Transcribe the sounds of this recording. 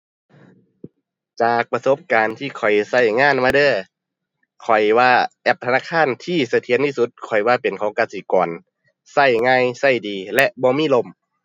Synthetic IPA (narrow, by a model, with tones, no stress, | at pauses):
t͡ɕaː˨˩k̚pa˧so˧˦p̚kaː˨nt̪ʰiː˧˩kʰɔ˨˩jsa˧˩jŋaː˧˥˨nmaː˧dɤː˧˥˩ | kʰɔ˨˩jwaː˧ʔɛ˧˩p̚t̪ʰa˧naː˧˥˨kʰaː˧˥˨nt̪ʰiː˧˩˨sa˧t̪ʰi˧˦ənt̪ʰiː˧˩su˧˦t̪̚kʰɔ˨˩jwaː˧˩pe˨nkʰɔː˨˦ŋkaː˧˩siː˨˦kɔː˨˩n | sa˧˩jŋaː˧˥˨jsa˧˩jdiː˨˩lɛ˧ʔbɔː˧˦miː˧˥˨lo˧˩˨m